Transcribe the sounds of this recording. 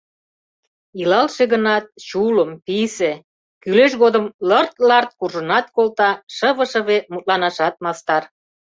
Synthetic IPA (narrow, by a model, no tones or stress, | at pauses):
ilɑlʃeɣənɑt̪̚t͡ɕuləmpise | kyleʃɣod̪əmlərt̪lɑrt̪̚kurʒənɑt̪̚kolt̪ɑʃəβə̆ʃə̆βemut̪̚lɑnɑʃɑt̪̚mɑst̪ɑr